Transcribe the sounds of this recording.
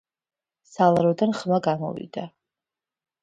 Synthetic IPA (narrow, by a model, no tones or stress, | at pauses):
salaɾod̪anχmaɡamo̰vḭd̪a